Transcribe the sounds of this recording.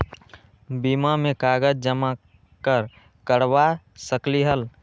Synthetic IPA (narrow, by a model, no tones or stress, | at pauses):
bimamẽkaːɡəd͡ʒd͡ʒəma | kəɾ | kəɽwa | səkliɦəl